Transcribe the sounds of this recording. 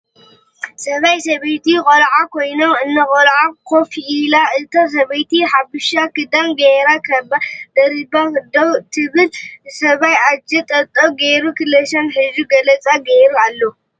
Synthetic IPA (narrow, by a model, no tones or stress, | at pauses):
sɐβajsɐβejt̪ikʼolʕakʰojnomɨnːɨkʼɔlʕakʰofiilaʔɨt̪ʰas̬ɐβejt̪iħabɨʃakɨd̪amɡeɾakʰɐbad̪ɐɾibad̪owt̪ʰɨβɨlsɐβajad͡ʒɐt̪ʼɐt̪ʼːoɡeɾukʰɨlɐʃɐnħɨzuɡɐlɐt͡sʼaɡejɾualːo